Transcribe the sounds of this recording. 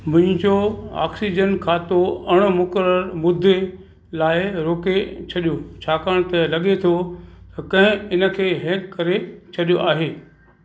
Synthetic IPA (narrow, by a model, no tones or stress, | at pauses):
mʊ̃ɦɪ̃ɲd͡ʑoa̰ːksid͡ʑənkʰãːt̪oɐɽ̃mʊkəɾəɾmʊd̪ʱːe | laːɪɾoːket͡ɕʰɐɗjot͡ɕʰaːkəɽ̃t̪ɛlɐɠet̪ʰot̪ɐkɐ̃ɦɪ̃ɪnə̆kʰeːɦɛ̃ːkːɐɾet͡ɕʰɐɗijoʔaːɦeː